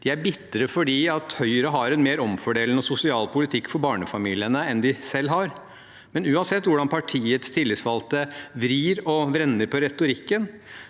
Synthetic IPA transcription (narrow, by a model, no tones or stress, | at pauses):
d̪̥ɪæɾbɪt̪ːəɾəfɔɖiːɑt̪hœʏəɾəɦɑɾɛnmeːɾɔmfɔɖeːlnɔsʊsɪɑːlpʰʊlɪt̪ʰɪkːfɔɾbɑːɳəfɑmiːlɪənəɛnd̪ɪsɛlːɦɑɾ | mɛnʉːɑnsɛt̪ːʋʊɖɑnpʰɑʈʰiːət̪st̪ʰɪlːɪsʋɑlt̪əʋɾiːɾɔʋɾɛnːəɾpʰɔɾɛt̪ʊɾɪkːən